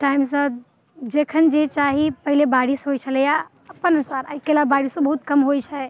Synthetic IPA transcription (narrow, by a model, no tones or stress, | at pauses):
ʈaimsə̃ | d͡ʒekʰənd͡ʒet͡ʃaɦipəɦilebaɽisɦojt͡ʃʰəlɛja | əpːənənusaɾajkelabaɽisə̃bəɦut̪̚kəmɦojt͡ʃʰɛ